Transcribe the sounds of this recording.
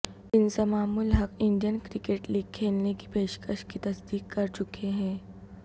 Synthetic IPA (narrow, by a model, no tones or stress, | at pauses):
ɪnsemaːmulɦɐkɪ̃ɳɖijənkɾɪkeːʈliːɡ̚kʰːeːlneki̥peːʃkəʃkit̪ɐsd̪iːkːɐɾt͡ʃʊkeɦɛ̃ː